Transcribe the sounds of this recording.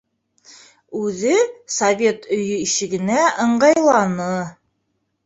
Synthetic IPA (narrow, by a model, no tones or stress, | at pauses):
ʉðɘsɐvʲe̞t̪ɵ̆jɵiʃɘ̆ɡɘ̆næʔɤ̆ɴɢɑjlˠɑnɤ